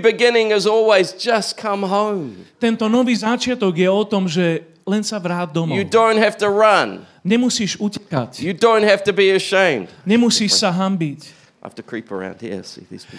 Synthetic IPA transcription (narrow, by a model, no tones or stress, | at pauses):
bɨɡɪ̃nɪ̃ŋɪzɔlˠwizd͡ʒʌskʰʌ̃mɦõʊ̃mt̪ɛnt̪ɔnɔʋiːzat͡ʃɪat̪ɔɡjɛɔt̪ɔmʒɛ | lɛnsaʋɾaːd̪̚d̪ɔmɨdõʊ̃nt̚hæftəɹʌ̃n | ɲɛmusiːʃucɛka̰cjɨdõʊ̃nt̚hæftɨbiɨʃẽɪ̃md̥ɲɛmusiːʃsaɦambic | hæ̰ftɨkʰɹ̥ipə̰˞ã̰ʊ̃nd̚hḭsḭðḭz̥pḭ